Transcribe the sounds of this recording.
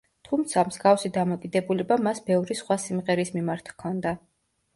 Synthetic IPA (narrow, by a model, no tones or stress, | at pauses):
t̪ʰumt̪sʰamz̥ɡafsid̪amɔkʼid̪ɛbulɛbamasbɛvɾisχwasimʁɛɾismimaɾt̪ʰkʰɔnd̪a